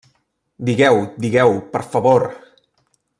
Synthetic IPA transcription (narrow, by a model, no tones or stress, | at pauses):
d̪iɣɛwd̪iɣɛwpəɾfəβoɾ